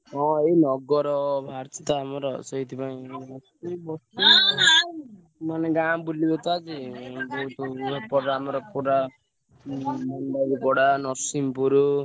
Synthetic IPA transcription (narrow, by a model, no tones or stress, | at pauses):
ɦɔ̃einɔɡɔɾɔbʱaɾt̪it̪aːmɔɾɔsɔit̪ʰipaĩbɔst̪ubɔst̪u | maneɡabulibet̪ad͡ʒid͡ʒowt̪ɔpɔɾamɔɾɔkuɾa | ɔnbaɡikɔɽanɔsimpuɾu